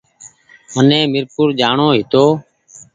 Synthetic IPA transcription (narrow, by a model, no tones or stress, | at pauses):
ənẽːmɪɾpʊɾd͡ʒaːɳoːɦɪt̪oː